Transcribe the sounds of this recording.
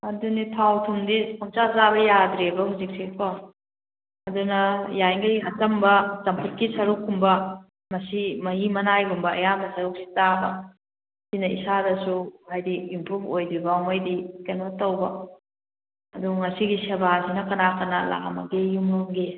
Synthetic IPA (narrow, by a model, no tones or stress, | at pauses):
ɐdunipʰawtʰumdikʰumt͡ʃazabɐjadɾebɐɦuzik̚sikʰo | ɐdunɐjajŋɐjɦɐtɐmbɐt͡ʃɐmpʰut̚kisɐɾukʰːumbɐ | mɐsimɐɦimɐnajɡumbɐɐ̰jabɐsɐɾuk̚si̥tabɐ | sinɐḭsadɐsuhajdiimpɾubʰojdɾibamojdikenbɐtɐwbɐ | ɐduŋɐsiɡisebasinɐkɐnakɐnala̰a̰mɐ̰ɡejumɐŋɡe